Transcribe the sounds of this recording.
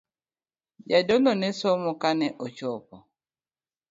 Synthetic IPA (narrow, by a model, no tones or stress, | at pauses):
d͡ʒadɔlɔnɛsɔmɔkanɛʔɔt͡ʃɔpɔ